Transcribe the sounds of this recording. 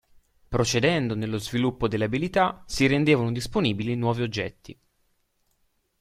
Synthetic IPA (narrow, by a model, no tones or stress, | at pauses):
pɾot͡ʃed̪ɛnd̪onelːozvilupːod̪elːabilit̪asiɾend̪eːvanod̪isponiːbilinwɔːviod͡ʒːɛ̰t̪ːi